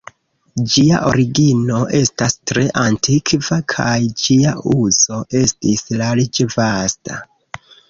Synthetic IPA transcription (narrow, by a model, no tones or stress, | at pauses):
d͡ʒia̰ʔo̞ɾiɡino̞ʔe̞stastɾe̞ʔantʰikʰvakʰajd͡ʒiaʔuzo̞ʔe̞stislalit͡ʃevasta